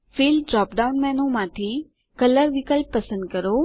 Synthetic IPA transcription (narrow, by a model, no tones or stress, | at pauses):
fiːld͡ʒɔːpɖaʊnmɛ̃ːnũmãːt̪ʰi | kɐləɾʋɪkəlpːɐsə̃nd̪̚kɐɾo